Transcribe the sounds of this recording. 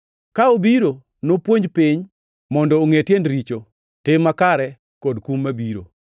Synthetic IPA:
kaobiɾo | nopwoɲd͡ʒpiɲ | mɔndɔːŋetjendɾit͡ʃo | tɪmːakaɾɛ | kɔdkumːabiɾo̰

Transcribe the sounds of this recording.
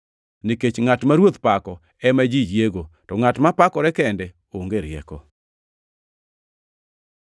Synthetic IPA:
niket͡ʃŋatmaɾwot̪pakɔ | ɛmad͡ʒid͡ʒjeɡotɔŋatmapakɔɾɛkɛndɛ | oŋɡeɾjɛ̰kɔ

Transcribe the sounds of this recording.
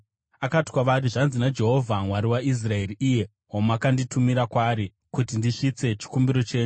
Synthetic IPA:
akati̥kwaʋaɾiʐanzinad͡ʒe̞ɦo̞vʱamwaɾiwais̬rae̞riʔije̞ | ɦomakanditʰumiɾakwaːɾi | kutindiʂit͡se̞t͡ʃi̥kumbiɾo̞t͡ʃe̞ːɲu

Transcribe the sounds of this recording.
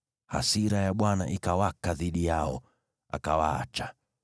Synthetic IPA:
ha̰siɾajaɓwanaʔikawakaðiɗijaɔ̰ | a̰kawaa̰t͡ʃa

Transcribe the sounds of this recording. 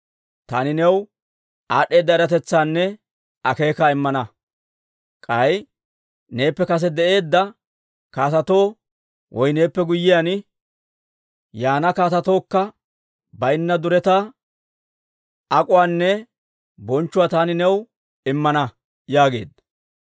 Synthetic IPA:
t̪a̰ːnɪnɛw | ʔaːɗːe̞ːd̪ːɐɪɾɐt̪ɛt͡sːaːnːɛ | ɐke̞ːkaːɪmːɐnɐ | kʼɐj | ne̞ːpːɛkɐs̬ɛd̪ɛʔe̞ːd̪ːɐ | kaːt̪ɐt̪o̞ː | wʔɔjne̞ːpːɛɡʊjːɪjan | jaːnɐkaːt̪ɐt̪o̞ːkːɐ | bɐjɪnːɐd̪ʊɾɛt̪a | ɐkʼʊwaːnːɛ | bɔnt͡ʃːʊwaːt̪aːnɪnɛw | ɪmːɐnɐ | jaːɡe̞̰ːd̪ɐ

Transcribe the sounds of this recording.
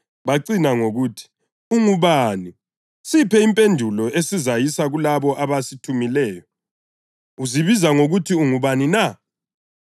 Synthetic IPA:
βaǀinaŋoɣutʰi̥ | uŋuβaːni | sipʰɛimpʼendʱulɔʔesizajisaɣulaβɔʔaβasitʰumilɛːjɔ | uziβizaŋoɣutʰiuŋuβanina

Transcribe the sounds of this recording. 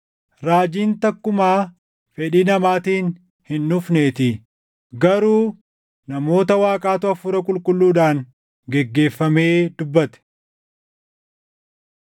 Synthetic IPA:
ɾaːd͡ʒiːnt̪ɐkːʊmaː | fɛᶑiːnɐmaːt̪iːn | hɪnːʊfne̞ːt̪ɪ | ɡɐɾuː | nɐmo̞ːt̪ɐwaːkʼaːt̪ʊɐfʊɾɐkʼʊlkʼʊlːuːᶑaːŋ | ɡɛɡːe̞ːfːɐmeːd̪ʊbːɐt̪ɛ̥

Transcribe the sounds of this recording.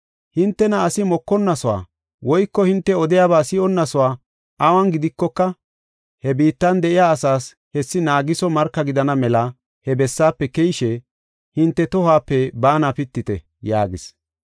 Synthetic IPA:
hɪnt̪ːɛnɐːsɪmɔkːɔnːɐsɔwa̰ː | wɔjkːɔhɪnt̪ːɛɔd̪ɪjaːbaːsɪɔnːɐsɔwaː | ʔɐwɐnɡɪd̪ɪkːɔkːɐ | hɛbiːt̪ːɐnd̪ɛʔɪjaːɐsaːs | hɛsːɪnaːɡɪsɔmɐɾkːɐɡɪd̪ɐnɐmɛlɐ | hɛbɛsːaːpːɛkɛjʃɛ | hɪnt̪ːɛt̪ɔɦaːpːɛbaːnapɪt̪ːɪt̪ɛ | jaːɡɪs

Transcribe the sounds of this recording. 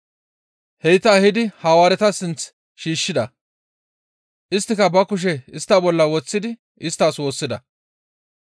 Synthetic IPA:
hɛjt̪ɐːhɪd̪ɪhaːwaːɾɛt̪ɐsɪnt͡s | ʃiːʃːɪd̪ɐ | ʔɪst̪ːɪkɐbɐkʊʃ̬ɛɪst̪ːabɔlːɐwɔt͡sːɪd̪ɪ | ɪst̪ːaːswo̞ːsːɪd̪ɐ̰

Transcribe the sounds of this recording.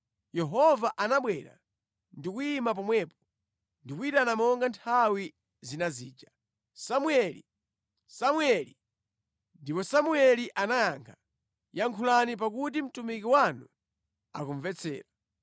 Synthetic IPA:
jɛɦɔvaʔanaɓwɛɾa̰ | ndikuimap̬ɔmwɛpɔ̥ | ndikuitanamɔŋɡantʰawi | zinaziːd͡ʒa | samuɛli | samuɛli | ndipɔsamuɛliʔanajaŋkʰḁ | jaŋkʰulanip̬akutim̩tumikiwanu | akuɱvɛt͡sʰɛ̰ːɾa

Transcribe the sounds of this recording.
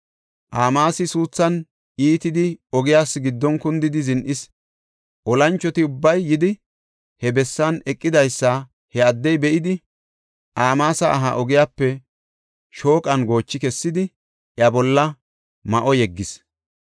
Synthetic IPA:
ʔaːmaːsɪsuːt͡sːɐn | ʔiːt̪ɪd̪ɪɔɡɪjaːsːɪɡɪd̪ːɔnkʊnd̪ɪd̪ɪzɪnʔɪs | ʔɔlɐnt͡ʃːɔt̪ɪʊbːɐjːɪd̪ɪ | hɛbɛsːɐnɛkʼːɪd̪ɐjsːɐ | hɛɐd̪ːɛjbɛʔɪd̪ɪ | ʔaːmaːsɐʔɐ̰ɦa̰ʔɔɡɪjaːpːɛ | ʃo̞ːkʼɐnɡo̞ːt͡ʃːɪkɛsːɪd̪ɪ | ʔjɐbɔlːɐ | mɐʔɔjɛɡːɪs

